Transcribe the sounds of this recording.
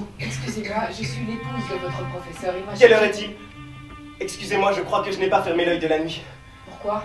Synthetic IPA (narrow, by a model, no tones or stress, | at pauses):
ɛkskʲyzemwaʒəsɥilepuzd̪əvɔt̪χəpχɔfɛsœʁimkɛlɔʁɛd̪i | ɛkskʲyzemwaʒəkχwakəʒənɛpafɛʁmelœjd̪əlanɥi | puʁkwa